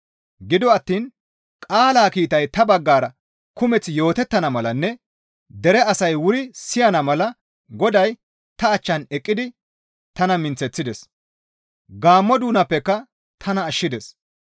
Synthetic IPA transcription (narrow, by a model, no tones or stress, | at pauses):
ɡɪd̪ɔɐt̪ːiːn | kʼaːlaːkiːt̪ɐjt̪ɐbɐɡːaːɾɐ | kʊmɛt͡sːjo̞ːt̪ɛt̪ːɐnɐmɐlɐnːɛ | d̪ɛɾɛɐsɐjwʊɾɪsɪjɐnɐmɐlɐ | ɡɔd̪ɐj | t̪ɐːt͡ʃːɐnɛkʼːɪd̪ɪ | t̪ɐnɐmɪnt͡sːɛt͡sːɪd̪ɛs | ɡaːmːɔd̪uːnɐpːɛkːɐ | t̪ʰɐnɐːʃːɪd̪ɛs